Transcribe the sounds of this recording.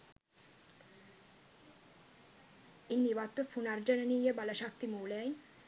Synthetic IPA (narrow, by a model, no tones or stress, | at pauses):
iniʋat̪ːofʰunaɾd͡ʑanenijebalaʃak̚t̪imuːlaj